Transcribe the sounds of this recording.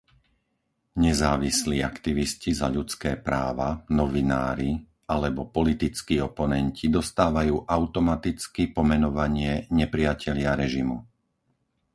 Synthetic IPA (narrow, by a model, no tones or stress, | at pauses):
ɲɛzaːʋisliːakt̪iʋiscizaʎut͡skɛːpɾaːʋanɔʋina̰ːɾi | alɛbɔpɔlit̪it͡skiːɔpɔnɛncʰid̪ɔst̪aːʋajuːʔaʊt̪ɔmat̪it͡skipɔmɛnɔʋaɲɪɛɲɛpɾɪacɛʎɪaɾɛʒimu